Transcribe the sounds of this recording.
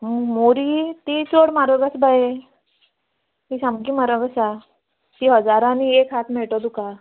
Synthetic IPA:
moɾit̪it͡soɽmaɾəɡəsbae | t̪isamkimaɾəɡəsa | t̪iɦəd͡zaɾãniekɦat̪ʰmeʈɔd̪uka

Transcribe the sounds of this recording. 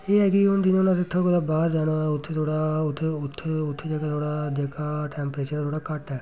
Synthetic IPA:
eːɦɛːkiʊnd͡ʒ̪ɪnʊnãːsɪt̪ʰːõːkod̪aːbaːɾd͡ʒaːnãːʊt̪ʰːeːt̪ʰoːɽaːʊt̪ʰːeʊt̪ʰːʊt̪ʰːed͡ʒaːɡaːt̪ʰoːɽaːd͡ʒəkaːʈɛːmpɾeːt͡ʃəɾtʰoːɽaːkəʈɛː

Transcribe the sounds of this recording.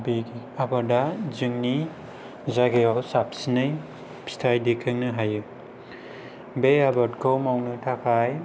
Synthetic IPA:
biɡi | abaɾdazɯŋni | zaɡejɔwsap̚sinɯj | pʰi̥stʰajdekʰɯŋnɯɦajɯ | beabatkʰowmawnɯtʰakʰaj

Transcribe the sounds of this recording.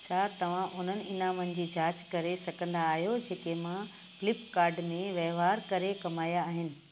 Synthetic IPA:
t͡ɕʰat̪ɐʋ̤ãʔʊn̤ənɪ̆ɪnãmɐ̃n̆d͡ʑiːd͡ʑaːt͡ɕkɐɾesɐɡʱə̃nd̪aːɦijod͡ʑeːkemã | klɪpkaːɾɖmẽʋɐːʋaːɾkɐɾekɐmaːjaːɦɪnɪ̆

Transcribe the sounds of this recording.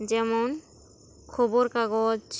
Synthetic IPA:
d͡ʒɛmon | kʰɔboɾkaɡod͡ʒ

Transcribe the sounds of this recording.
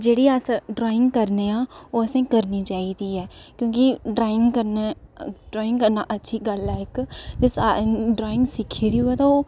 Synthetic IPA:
d͡ʒeːɽiːəsɖɾɔːɪ̃ŋɡkəɾneːãːoːəsẽːkəɾniːt͡ʃaːiːd̪iːɛːkjõːkɪɖɾaːɪ̃ŋɡkəɾneɖɾɔːɪ̃ŋɡkəɾnaːʔətːʃʰiːɡəlɛːɪkd͡ʒɪsaɖɾaːɪ̃ŋɡsɪkʰiːɾiːuɛːt̪ãoː

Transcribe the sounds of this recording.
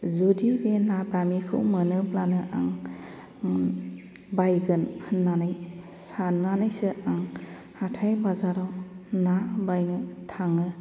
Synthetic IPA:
zudibenabamikʰɯ̰wmɯnɯplanɯʔaŋ | bajɡɯnhɯnːanajsananajsɯʔaŋ | hatʰajbazaɾɔwnabajnɯtʰaŋɯ

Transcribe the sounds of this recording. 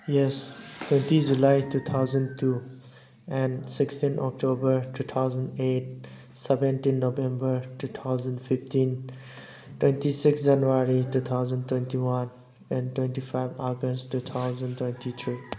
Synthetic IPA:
jɛstwẽntid͡ʒulajtut̪ʰawzə̃ntu | ɛ̃nsikstinʔɔ̰k̚tobəɾtut̪ʰawzə̃ndet̚ | sɛbɛ̃ntĩnːobɛ̃mbəɾtut̪ʰawzə̃ndpʰiftĩn | twẽntisiksd͡ʒanuaɾitut̪ʰawzəntwẽntiwan | ɛ̃ntwẽntipʰajbaɡəsttːut̪ʰawzə̃ntwẽntʰit̪ʰɹi

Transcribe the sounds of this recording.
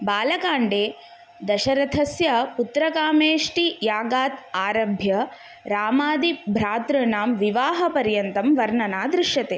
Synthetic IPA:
baːlɐkaːɳɖeː | d̪ɐʃɐɾɐt̪ʰɐsjɐput̪ɾɐkaːmeːʂʈijaːɡaːt̪aːɾɐbʱjɐ | ɾaːmaːd̪ibʱɾaːt̪ɾɐnaːmʋiʋaːɦɐpɐɾjɐnt̪ɐmʋɐɾɳɐnaːd̪ɾiʃjɐt̪eː

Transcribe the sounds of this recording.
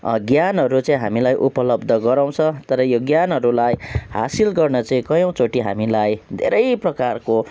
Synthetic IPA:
ɡjanɦʌɾut͡sʌĩɦa̰milajʔupʌlʌbd̪ʱʌɡʌɾãw̃t͡sʰʌ̃t̪ʌɾʌjoɡjanɦʌɾulajha̰silɡʌrnʌt͡sʌĩkʌjʌ̃w̃t͡soʈiɦa̰milajd̪ʱḛɾʌjprʌkarko

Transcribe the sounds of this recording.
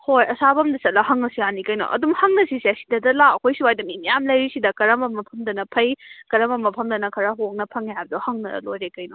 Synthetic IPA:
hojɐsabɐmdɐsɐt̚lɐhɐŋːɐsianikɐjno̰ʔɐ̰dumhɐŋnɐsisasi̥dɐdɐlaɐkʰojsiwajdɐmimijamlɐjɾisidɐkɐɾɐmɐmːɐpʰɐmdɐnɐpʰɐjkɐɾɐmɐmːɐpʰɐmdɐnɐkʰɐɾɐɦoŋnɐpʰɐŋjajb̚dohɐŋnɐ̰lojɾekɐjno̰

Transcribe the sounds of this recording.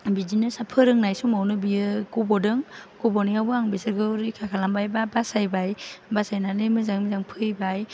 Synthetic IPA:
bidinɯsapʰɯɾɯŋnajsumawnɯbijɯkɔbɔdɯŋkɔbɔnijhawbɯaŋbesɯɾɡɯɾikʰakʰalambajbabasajbajbasajnanɯmɯzaŋmizaŋpʰɯjbaj

